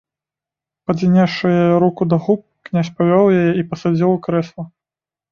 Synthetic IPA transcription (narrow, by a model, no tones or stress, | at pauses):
pɐd͡zʲinʲaʂɨjajɛɾukud̪ɐɣup̚knʲasʲpavʲɔwjajɛipɐsad͡zʲiwˠkɾɛslˠɐ